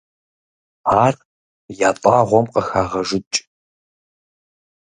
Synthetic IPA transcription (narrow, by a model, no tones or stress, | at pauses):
aːr | jaːtʼaːʁʷɔmqʼɐxaːʁɐʒɪt͡ʃʼ